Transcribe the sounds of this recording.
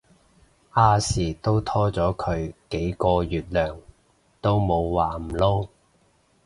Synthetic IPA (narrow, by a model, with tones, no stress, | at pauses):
ʔaː˧siː˨˩t̪o˥wt̪ʰɔː˥t͡sɔː˨˥kʰɵ˨˧ɥke˨˥jkɔː˧jyː˨t̚lœː˨˩ŋ | t̪o˥wmo˨˧wwaː˨˩m̩˨˩lo˥w